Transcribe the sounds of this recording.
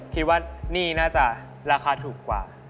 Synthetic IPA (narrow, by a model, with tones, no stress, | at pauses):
kʰi˦˥t̪̚waː˥˩niː˥˩naː˥˩t͡ɕa˨˩ | ɾaː˧xʰaː˧˥t̪ʰuː˨˩kːwa̰ː˨˩